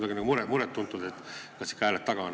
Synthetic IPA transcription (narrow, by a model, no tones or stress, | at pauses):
d̪ɑɡinɑɡumuɾemuɾet̪ːunt̪ːˑud̪et̪ːkɑsi̥kːˑɑæːlet̪ːɑɡ̥ɑn